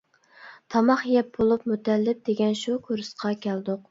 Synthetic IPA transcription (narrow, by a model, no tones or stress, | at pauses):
t̪ʰɑmɑχjɛp̚bolˠupmut̪ʰɛlːɪp̚d̪̥eɡʲɛnʃukʲʰuɾɨsqʰɑkʲʰɛld̪ʊq